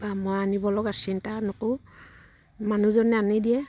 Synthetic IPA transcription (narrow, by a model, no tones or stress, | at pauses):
bamojanibɔlɔɡasintanʊko | manuzɔnɛanidiɛ